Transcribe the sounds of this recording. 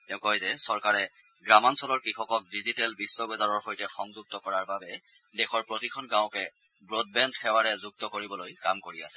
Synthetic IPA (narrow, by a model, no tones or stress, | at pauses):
tɛʊ̃kɔjzɛsɔɹkaɹɛ | ɡɹamansɔlɔɹkixɔkɔk̚dizitɛlbisːɔbɛzaɹɔɹxojtɛxɔŋzuɡ̚tɔkɔɹaɹbabɛ | dɛxɔɹpɹotikʰɔnɡãw̃kɛ | bɹod̚bɛndxɛwaɹɛzuɡ̚tɔkoɹibɔlojkamkoɹia̰sɛ